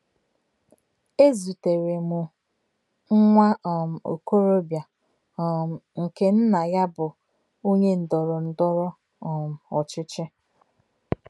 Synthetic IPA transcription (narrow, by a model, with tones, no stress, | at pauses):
e˦zu˨te˨ɾe˨mʊ˨ | ŋ̩˦ŋʷa˦˨m̩˨o̰˨ko˦ɾo˦bja˨ | m̩˨ŋ̩˨ke˦n̩˦na˨ja˦bʊ˨ | u˦ɲe˦n̩˨dɔ˨ɾɔ˨n̩˨dɔ˦ɾɔ˦ | ɔ˨m̩˨ɔ˨t͡ʃɪ˦t͡ʃɪ˦